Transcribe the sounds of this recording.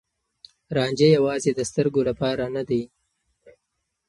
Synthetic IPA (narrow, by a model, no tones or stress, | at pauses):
ɾɑːnd͡ʒejawɑːzed̪əst̪əɾɡolapɑɾanad̪aj